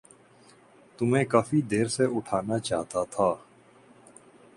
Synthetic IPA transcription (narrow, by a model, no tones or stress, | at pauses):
t̪ʊmẽːkaːfid̪eːɾseʔʊʈʰaːnat͡ʃa̰ːɦt̪at̪ʰaː